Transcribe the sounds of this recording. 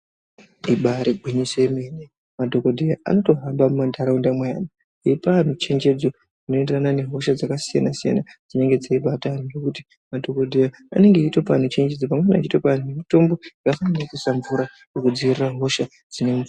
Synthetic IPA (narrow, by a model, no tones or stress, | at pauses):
iɓaɾeɡʱwiɲisemene | madʱo̞kodʱijaʔa̰no̞to̞ɦambamumandʱaɾaundamwajaːna | iipan̤ut͡ʃe̞ɲd͡ʒe̞d͡zo̞ | ino̞enderanane̞ɦo̞ʃad͡zakasija̰nasija̰nad͡zine̞ŋɡe̞d͡zaiɓataninokuti̥ | madʱo̞ko̞dʱijaa̰ne̞ŋɡeitopan̤ut͡ʃe̞ɲd͡ʒe̞d͡zopamwenat͡ʃitopan̤ujemito̞mbo̞akafananakusaɱvuɾa | jokud͡ziiriraɦo̞ʃa | d͡zine̞muvu